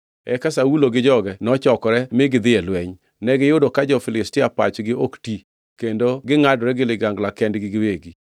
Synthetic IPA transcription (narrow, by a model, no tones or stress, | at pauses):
ɛ̰kasawuloɡɪd͡ʒɔɡɛnɔt͡ʃɔkɔɾɛmɪɡɪd̪ɪɛlwɛɲ | nɛɡɪjʊdokad͡ʒɔfɪlɪstɪapa̰t͡ʃɡɪokti | kendoɡɪŋadɾɛɡɪlɪɡaŋɡlakɛndɡɪɡɪweɡi